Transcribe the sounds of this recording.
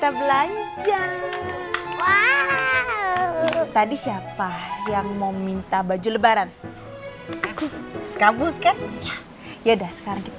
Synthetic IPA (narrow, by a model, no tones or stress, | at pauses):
kit̪abəlaɲd͡ʒa | wa | t̪adisiapajaŋmawmint̪abad͡ʒuləbaɾan | akukabut̪̚kanja | jadahsə̥kaɾaŋkit̪